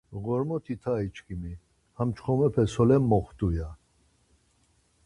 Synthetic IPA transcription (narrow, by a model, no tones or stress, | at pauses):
ɣɔɾmɔt̪ʰit̪ʰait͡ʃkʰʼimi | hamt͡ʃʰχɔmɛpʰɛsɔlɛmːɔχt̪ʼuja